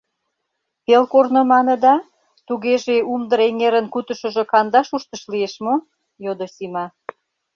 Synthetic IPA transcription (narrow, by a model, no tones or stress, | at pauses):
pelkornomɑnə̆d̪ɑ | t̪uɣeʒeumd̪əɾeŋeɾənkut̪ə̆ʃə̆ʒŏkɑnd̪ɑʃuʃt̪əʃlieʃmo | jod̪osimɑ